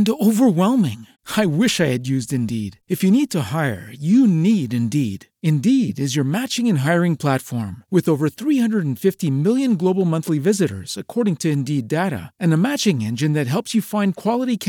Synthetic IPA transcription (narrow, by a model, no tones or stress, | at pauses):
noʊvə˞wɛlˠmɪ̃ŋ | aɪwɪʃaɪɨdjʉzdɨ̃ndḭɾɨfjɨnid̚tʰəhaɪə̰˞jɨniɾɨ̃ndiɾ | ɨ̃ndiɾɨzjə˞mæt͡ʃɪ̃ŋɨ̃nɦaɪə˞ɪ̃ŋpʰl̥ætfɔɹmwɨðoʊvə˞θɹihʌ̃ndɹəɾn̩fɪftimɪlˠjɨ̃nɡloʊbl̩ˠmʌ̃nθlivɪzɨɾə̰˞z̥ɨkʰɔɹɾɪ̃ŋtʰɨɨ̃ndideɾə̰ɨ̃nəmæt͡ʃɪ̃ŋɛ̃nd͡ʒɨ̃nðɨt̚ɦɛlˠpsjɨfãɪ̃nkʰw̥ɑlˠəɾikʰ